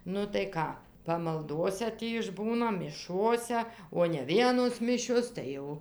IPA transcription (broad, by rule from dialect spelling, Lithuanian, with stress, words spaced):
ˈnʊ tɐɪ ˈkɑː pɐmɐlˠˈdoːsʲɛ ˈtʲiː ɪʒˈbuːnɐ mʲɪˈʃoːsʲɛ oː nʲɛ ˈʋʲiɛnoːs ˈmʲɪʃʲoːs ˈtɐɪ jɛʊ